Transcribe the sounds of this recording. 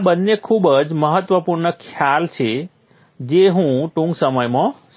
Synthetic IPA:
bənːekʰubəd͡ʒməɦət̪ʋəpuɾɳəkʰjalt͡ʃʰe | d͡ʒeɦũʈũŋɡsəməjmã

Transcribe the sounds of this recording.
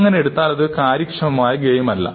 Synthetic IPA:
ŋːɐneeɽut̪ːaːlɐðɨkaːɾjɐkʂɐmɐmaːjɐɡeːjumɐlːɐ̰

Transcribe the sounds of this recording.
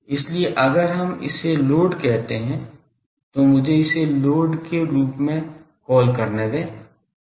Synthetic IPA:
ɪslieʔɐɡəɾɦɐmɪ̰seloːɖkɛɦt̪eɦɛ̃ | t̪omʊd͡ʒʱeɪseloːɖkeɾuːpmẽkɔːlkɐɾned̪ẽː

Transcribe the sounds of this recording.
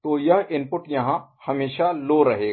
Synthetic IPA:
t̪oːjɐɦɪnpʊʈjɐɦãhɐmeːʃaloːɾɐɦeːɡ

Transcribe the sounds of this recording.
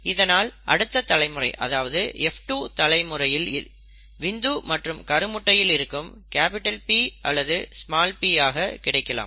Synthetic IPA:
ɪðɐnaːlʔɐɽɯt̪ːɐt̪ːɐlɐɪmɯrɐ̰ɪʔɐ̰ðaːʋɐðɯɛfʈuːt̪ɐlɐɪmɯrɐjɪlɪl | ʋɪnd̪uːmɐʈrɯmkɐɾɯmʊʈːɐjɪlɪɾɯkːɯmkaːpɪʈːɐlpiːʔɐ̰lːɐðɯsmaːlpiːaːɣɐkɪɽɐɪkːɐla̰ːm

